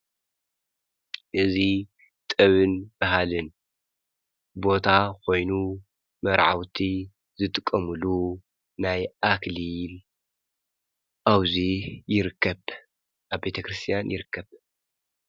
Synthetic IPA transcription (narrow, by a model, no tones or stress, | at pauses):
ʔɨzi | t̪ʼɨβɨnb̥aɦalɨn | bo̞t̪ʰakʰo̞jnu | mɐɾʕa̰wt̪ʰi | zɨt̪ʼɨkʼːɐmɨlu | najʔaklil | ʔawzijɪɾɨkʰːɐβ | ʔabbe̞t̪ʰɐkɾɨst̪ʰijanjɪɾɨkʰːɐβ